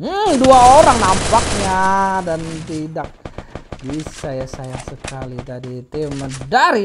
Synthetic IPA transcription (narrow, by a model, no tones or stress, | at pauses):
duaoɾaŋnampak̚ɲadant̪idak̚bisajasajaŋsəkalit̪adit̪imədaɾi